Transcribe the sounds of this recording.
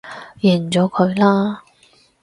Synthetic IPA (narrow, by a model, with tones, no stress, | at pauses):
jɛː˨˩nt͡sɔː˨˥kʰɵ˨˧ɥlaː˥